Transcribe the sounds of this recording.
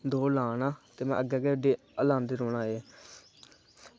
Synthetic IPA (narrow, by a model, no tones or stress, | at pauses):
d̪oːlaːnaːt̪eːmɛ̰̃ːʔəɡɛːkeːəɖeː | əlãːnd̪eːɾoːnãːeː